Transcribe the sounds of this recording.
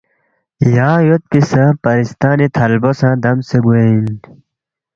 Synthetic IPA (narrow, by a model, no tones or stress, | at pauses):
jãːjot̪̚kisãːpɐɾist̪aːnit̪ʰɐlbosãːd̪ɐmseɡuen